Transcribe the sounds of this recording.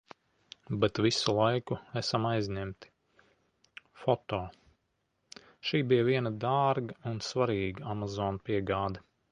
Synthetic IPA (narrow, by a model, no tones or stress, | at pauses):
bɛt̪visulˠajkuæsamajzʲɲɛmt̪i̥ | fɔt̪ɔː | ʃiːbijəviɛnad̪aːɾɡɐunsvaɾiːɡamazɔːnpiɛɡaːd̪ɐ